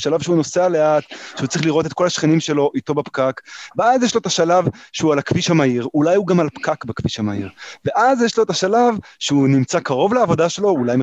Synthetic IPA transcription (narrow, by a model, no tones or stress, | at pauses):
ʃalavʃeuno̞sealeat̪ʃeut͡sʁiχliʁo̞te̞t̪ko̞laʃχenimʃe̞lo̞ʔito̞bapkakveazjeʃlo̞et̪aʃalavʃeualakviʃhamaiʁulajuɡamalpkakbakviʃamaiʁve̞ʔazjeʃlo̞etaʃalavʃeunimt͡sakaʁo̞vleavo̞daʃe̞lo̞ulajm